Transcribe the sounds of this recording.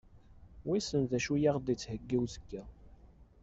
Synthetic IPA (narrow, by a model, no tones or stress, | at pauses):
wisənðæʃujaʁd̪it͡sːhəɡːiwzə̥kːæ